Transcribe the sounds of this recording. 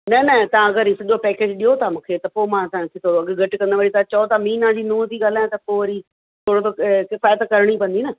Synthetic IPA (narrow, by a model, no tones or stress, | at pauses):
nɐnɐt̪ɐãɐɡəɾisɐʄopɛːkeːd͡ʑɗijot̪ʰamũːkʰet̪ɐpoːmãːt̪ãːkʰet̪ʰoɐɡɡʱɐʈkɐ̃nd̪əʋaːɽit̪ãt͡ɕɐot̪amĩːnãd͡ʑiːnũːt̪iːɠaːl̤aːj̃t̪ɐpoːʋɐɾi | t̪ʰoːɽot̪̬okɪfaːjət̪kɐɾɪɽ̃ipɐ̃nd̪iːnɐ